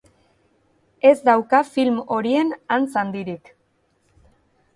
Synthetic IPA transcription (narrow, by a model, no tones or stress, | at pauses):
e̞zd̪awkafilmo̞ɾie̞nant͡sand̪iɾik